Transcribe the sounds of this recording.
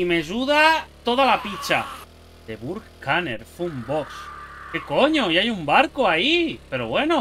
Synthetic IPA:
imeʒuðat̪oðalapit͡ʃa̰ | d̪eβuɾkkaneɾfuumbokskekoɲoiajumbaɾkoaipe̞ɾo̰βwe̞no

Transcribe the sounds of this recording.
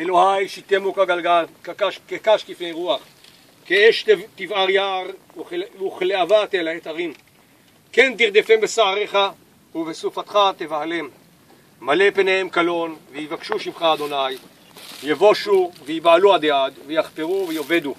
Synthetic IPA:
ʔelo̞hajʃit̪emukaɡalɡalkakaʃkekaʃkifnejʁuaχ | keeʃtt̪ivaʁjaʁ | uχleavat̪elaet̪aʁim | ke̞nt̪iʁd̪efembesaʕaʁeχa | uvesufat̪χat̪evʕalemː | ale̞penehemkalo̞nveivakʃuʃimχaːd̪o̞naj | vjevo̞ʃuveibaluad̪ead̪vejaχpeʁuvejo̞ve̞d̪u

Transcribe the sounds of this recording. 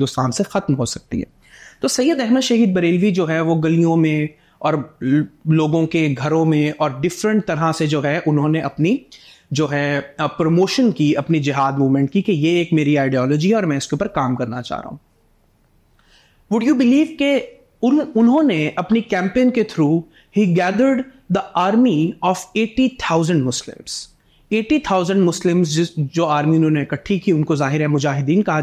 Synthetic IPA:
ɪ̃d̪ʊst̪aːnsexɐt̪mɦosɐk̚t̪ḭɦɛ̰ː | t̪oːsɐjːəd̪ɛɦməd̪ʃɐɦiːd̪̚bɐɾeːlʋid͡ʒoːɦɛʋoɡɐlijõmẽ | ɔːɾ | loːɡõkeɡʱɐɾõmẽɔːɾɖɪfɾə̃ɳʈ̚t̪ɐɾased͡ʒoːɦɛʔʊnɦõneʔɐpni | d͡ʒoːɦɛpɾomoːʃənkiɐpnid͡ʒɪɦaːd̪muːmɛ̃ɳʈ̚kikejeːkmeːɾiaːɪɖiɔːlɔːd͡ʒiɦɛɔːɾmɛ̃ːɪskeʊpːəɾkaːmkɐɾna̰t͡ʃa̰ːɦɾa̰ːɦũː | ʋʊɖjuːbɪliːʋke | ʊnɦõneʔɐpnikɛ̃ːmpeːənket̪ʰɾuː | hiːɡɛːd̪əɾɖ | d̪əaːɾmiɔːfeːʈit̪ʰaːʊzə̃ɳɖmʊslɪ̰̃mz̥ | eːʈit̪ʰaːʊzə̃ɳɖmʊslɪ̃mzɪd͡ʒoːaːɾmiʊnɦõːneɪkɐʈʰːikiʊnkozaːɦɪɾɦɛmʊd͡ʒaːɦɪd̪iːnkɐɦa

